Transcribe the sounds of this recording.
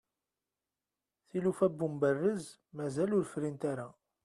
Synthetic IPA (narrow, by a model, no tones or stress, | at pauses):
θilufæbːumbərːəz | mæzælʊɾfɾint̪aɾa